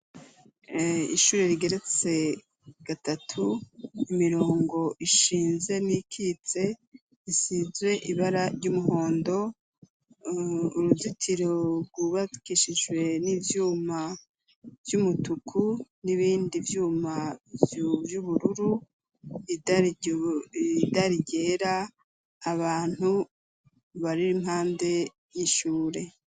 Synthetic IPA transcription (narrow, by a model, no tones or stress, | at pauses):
ḭʃuːɾe̞ɾiɡe̞ɾe̞t͡se̞ | ɡ̥atatʰuimiɾo̞ːŋɡo̞ʔiʃiːnze̞nikʰit͡se̞ | isiːzɡwe̞ʔiβaɾaɾɟumuɦo̞ːndo̞ | uɾuzitʰiɾoɾɡuβakiʃiʒwe̞nivjuːma | vjumutukʰuniβiːndivjuːma | vjuβuɾuɾu | id | daɾiɟe̞ːɾaː | βaːn̥hu | βaɾiɾimhaːnde̞ | jiʃuːɾe̞